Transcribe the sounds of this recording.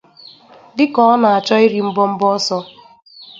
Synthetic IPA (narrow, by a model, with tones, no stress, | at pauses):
dɪ˦kɔ˦ɔ˦na˨a˨t͡ʃɔ˦ɪ˦ɾi˨m̩˦bɔ˦m̩˦bɔ˦sɔ˦